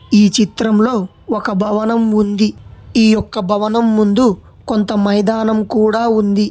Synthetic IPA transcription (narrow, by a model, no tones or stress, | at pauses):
iːt͡ʃit̪ɾɐmlo̞ː | ɔkɐbʱɐʋɐnɐmund̪iiːjɔkːɐbʱɐʋɐnɐmːund̪u | kont̪ɐmɐjd̪aːnɐmkuːɽaːund̪i